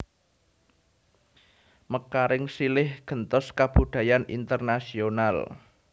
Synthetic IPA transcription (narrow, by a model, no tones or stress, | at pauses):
məkaɾɪŋsilɪhɡ̥ə̤nt̪ɔskab̥ṳd̪̥a̤janḭnt̪ərnasional